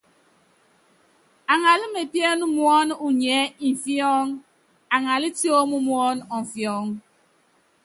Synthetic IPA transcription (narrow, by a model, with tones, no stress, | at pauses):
a˨ŋa˨li˦me˨pjɛ˦nu˦mwɔ˦nu˨ɲɛ˨˦i˨ɱ˨fjɔ˦ŋ | a˨ŋa˨li˦ti˦o˦mu˦mwɔ˦nɔ˨ɱ˨fjɔ˦ŋ